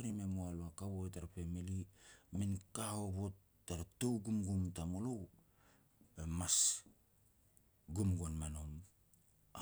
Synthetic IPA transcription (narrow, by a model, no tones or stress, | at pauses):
ɾimemoaloakaβoetaɾapemilimenkaho̞βo̞tː | aɾato̞wɡumɡumtamolow | emas | ɡumɡonmanom | a